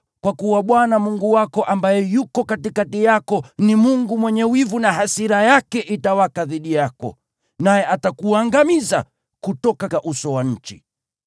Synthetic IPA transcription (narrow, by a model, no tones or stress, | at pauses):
kwakuwaɓwanamuŋɡuwakɔʔambajɛjukɔkatikatijakɔnimuŋɡumwɛɲɛwivunaɦasiɾajakɛʔitawakaðiɗijakɔ̰ | najɛʔatakuaŋɡamiza̰ | kutɔkakaʔusɔwaɲ̩t͡ʃi